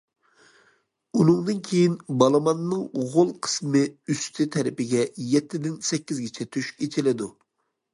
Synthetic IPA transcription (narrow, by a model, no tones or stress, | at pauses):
unɨŋd̪ɨnkʲʰejinbɑlˠɨmɑnːɨŋʁolˠqʰə̥smɨyst̪ʰɪt̪ʰɛɾɪpɪɡʲɛjɛt̪ʰːɪd̪ɪnsɛkʲːizɡʲit͡ʃʰɛt̪ʰyʃkʲet͡ʃʰɪlɪd̪u